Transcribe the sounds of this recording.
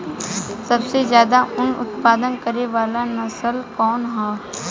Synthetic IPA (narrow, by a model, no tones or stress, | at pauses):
sɐbsezjaːd̪aʔʊnʊ̰t̪paːd̪ənkəɾeʋaːlanɐsəlkɔːnɦɛː